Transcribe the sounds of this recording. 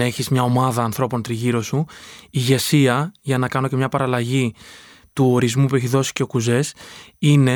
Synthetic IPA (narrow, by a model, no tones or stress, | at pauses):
eçizmɲɐo̞mɐðɐːnθɾo̞po̞nt̪ɾiʝiɾo̞suiʝe̞siɐʝɐnɐkɐno̞ce̞mɲɐpɐɾɐlɐʝi | t̪uo̞ɾizmupue̞çiðo̞si̥ce̞o̞kuze̞sine̞